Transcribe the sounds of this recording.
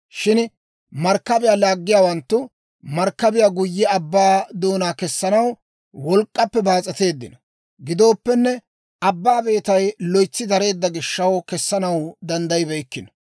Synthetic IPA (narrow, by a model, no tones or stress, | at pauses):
ʃɪn | mɐɾkːɐbɪjaːlaːɡːɪjaːwɐnt̪ːʊ | mɐɾkːɐbɪjaːɡʊjːɛɐbːaːd̪o̞ːnaːkɛsːɐnɐw | wɔlkʼːɐpːɛbaːt͡sʼɐt̪e̞ːd̪ːɪnɐ | ɡɪd̪o̞ːpːɛnːɛ | ɐbːaːbe̞ːt̪ɐjlɔjt͡sːɪd̪ɐɾe̞ːd̪ːɐɡɪʃːɐwkɛsːɐnɐwd̪ɐnd̪ɐjɪbɛjkːɪnɐ